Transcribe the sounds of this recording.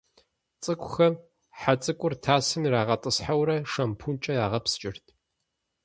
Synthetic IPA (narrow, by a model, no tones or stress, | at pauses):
t͡sʼɨkʷʼʊxɐm | ħat͡sʼɨkʷʼʊrtʰaːsɨmiɾaːʁɐtʼɨsħawɾɐʂɐmpʰunt͡ʃʼɐjaːʁɐpst͡ʃʼɪrtʰ